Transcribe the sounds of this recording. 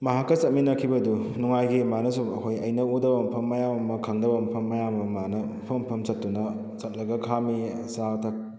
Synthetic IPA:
mɐɦakːɐsɐt̚minɐkʰibɐdunuŋajɡimanɐs̬ubɐ̰kʰojɐjnɐudɐbɐmpʰɐmːɐjamɐmɐkʰaŋdɐbɐmɐpʰɐmːɐjamɐmanɐpʰɐmpʰɐmsɐt̚tːunɐ | sɐt̚lɐɡɐkʰamisatʰɐk̚

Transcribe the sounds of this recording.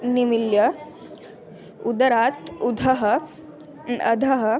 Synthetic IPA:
nimiljə | ud̪əɾat̪ud̪ʱəɦə | ə̰d̪ʱəɦə

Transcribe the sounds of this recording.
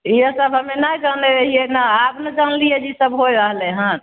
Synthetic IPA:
iɦəsəbɦəmenajd͡ʒaneɾəɦienaabnad͡ʒanlijɛd͡ʒisəbɦojɾaɦlɛ̃ɦã

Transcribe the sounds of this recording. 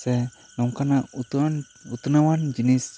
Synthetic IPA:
sɛ | nɔŋkanaʔut̪n | ut̪nawand͡ʒinis

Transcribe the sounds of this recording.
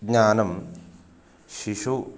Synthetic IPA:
ɡɲaːnɐm | ʃiʂu

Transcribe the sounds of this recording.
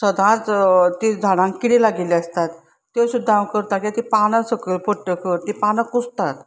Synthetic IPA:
səd̪ʱãt͡st̪id͡zʱaɽãŋkkːiɽilaɡiliəst̪at̪ː | esud̪ʱːãwkəɾt̪akʲiat̪ipanəsəkəɾpoʈːəkəɾt̪ipanəkust̪at̪

